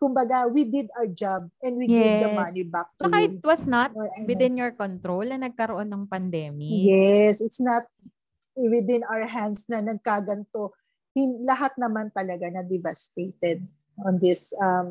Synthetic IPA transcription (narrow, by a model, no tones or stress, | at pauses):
kʊmbɐɡawid̪ɪd̪ad͡ʒab̚ʔɛ̃nd̪̚wijevdɐmɐnibak̚t̪jkaːhɪt̪̚wɐsnɐt̪wɪd̪ɪ̃njɔɹkɔnt̪ɾowlnɐnɐɡ̚kɐɾoʔo̞nːɐŋpɐnd̪ɛːmijɛsɪt̪snɐt̪̚ | wɪd̪ɪ̃nawəɹɦand̪snɐnɐɡ̚kaɡɐnt̪o̞ | hɪnlɐɦat̪̚nɐmant̪ɐlɐɡanɐd̪ɪvɐst̪ejt̪ɛd̪̚ | ʔɔ̃nd̪ɪsɐm